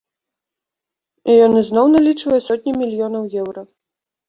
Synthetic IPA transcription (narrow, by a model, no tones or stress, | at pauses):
ijɔnɨznɔwnalʲit͡ʂvɐjɛsɔt̪ʲnʲimʲilʲijɔnɐwjɛwɾɐ